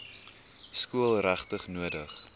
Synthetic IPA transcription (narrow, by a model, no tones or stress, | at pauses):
skuəlˠræχtəχnuədəχ